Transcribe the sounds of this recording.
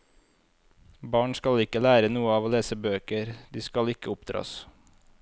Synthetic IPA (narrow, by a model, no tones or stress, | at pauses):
bɑːɳskɑlɪkəlæːɾənuːəɑːʋoːleːsəbøːkəɾd̪iːskɑlɪkəʊpd̪ɾɑ̰ːs